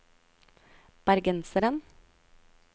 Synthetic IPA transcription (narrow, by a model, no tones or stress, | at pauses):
b̥æɾɡɛnsəɾən